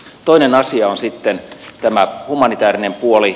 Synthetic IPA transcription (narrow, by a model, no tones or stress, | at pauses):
t̪oinenɑsiɑonsit̪ːent̪æmæhumɑnit̪æːrinempuoli